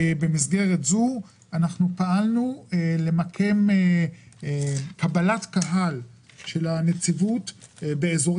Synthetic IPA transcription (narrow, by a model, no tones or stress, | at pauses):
be̞mis̬ɡe̞ʁetzu | anaχnupaʔalnule̞makʰe̞m | kabalatkaɦal | ʃe̞lanet͡sivutbeezo̞